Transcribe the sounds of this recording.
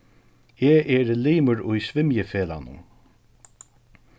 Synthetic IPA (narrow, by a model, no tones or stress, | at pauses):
ɛːʔɛɾliːməɹʊjsvɪmjəfeːla̰nʊ̰n